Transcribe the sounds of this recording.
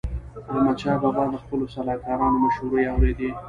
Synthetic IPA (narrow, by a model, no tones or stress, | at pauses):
ɑmat͡ʃɑbaɣɑd̪əxpəlosalɑkɑɾɑnomaʃhuɾəjawɾed̪e